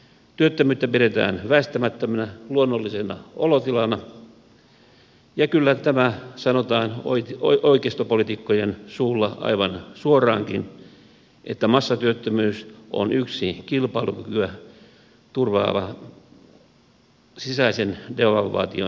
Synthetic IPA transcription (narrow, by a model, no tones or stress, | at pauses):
t̪yøt̪ːømyːt̪ːæpiɾet̪æ̰ːnʋæist̪æmæt̪ːømænæluonːolːisenɑolot̪ilɑnɑ | jɑkylːæt̪æmæsɑnot̪ɑːno̰ioikeist̪opolit̪ikːojensuːlːɑɑ̰iʋɑnsuorɑːŋkḭn | ʔḛt̪ːæmɑsːɑt̪yøt̪ːømyːsʔo̰nyksikilpɑilukykyæ | t̪urʋɑ̰ːʋɑ̰ | sisɑisendeʋɑlʋɑ̰ːt̪io̰